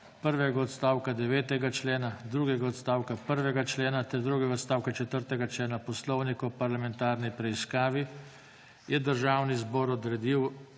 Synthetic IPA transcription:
pəɾʋɛɡaɔt̪st̪aːwkad̪ɛʋɛːt̪ɛɡat͡ʃleːnad̪ɾuɡɛɡaɔt̪st̪aːwkapəɾʋɛɡat͡ʃleːnat̪ɛɾd̪ɾuːɡɛɡaɔt̪st̪aːwkat͡ʃɛt̪əɾt̪ɛɡat͡ʃleːnapɔslɔwnikɔpaɾlamɛnt̪aːɾnipɾɛiskaːʋi | jɛd̪əɾʒaːwnizbɔːɾɔd̪ɾɛd̪iw

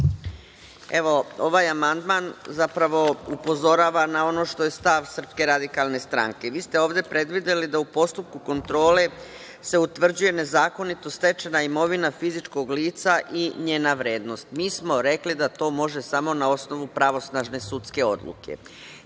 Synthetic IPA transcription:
e̞ʋo̞o̞ʋajamand̪manzapɾaʋo̞upo̞zo̞ɾaːʋanao̞no̞ʃt̪o̞je̞st̪aʋsr̩pske̞ɾad̪ikalˠne̞st̪ɾa̰ŋke̞ʋiːst̪e̞o̞ːʋd̪e̞pɾe̞d̪ʋid̪e̞lid̪aupo̞st̪up̚kuko̞nt̪ɾo̞ːle̞ | se̞ut̪ʋr̩d͡ʑuje̞ne̞zaːko̞nit̪o̞st̪e̞t͡ʃenaimo̞ʋinafizit͡ʃko̞ɡliːt̪saʔiɲe̞ːnaʋɾeːd̪no̞st̪miːsmo̞ɾe̞klid̪at̪o̞ːmo̞ʒe̞samo̞nao̞sno̞ʋupɾaʋo̞snaʒne̞sut̪ske̞o̞̰d̪lˠṵkʰe̞̰

